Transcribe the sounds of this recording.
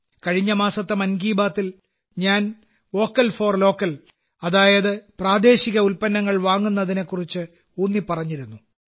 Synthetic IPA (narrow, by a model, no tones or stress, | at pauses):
kɐɻiɲːɐmaːsɐt̪ːemɐnɡiːbaːt̪ːil | ɲaːn | o̞ːkːɐlfo̞ːrlo̞ːkːɐl | ɐðaːjɐðɨpraːd̪e̞ːɕiɣɐulpɐnːɐŋːɐɭʋaːŋːunːɐðine̞kːurit͡ɕːɨ | unːipɐrɐɲːiɾunːu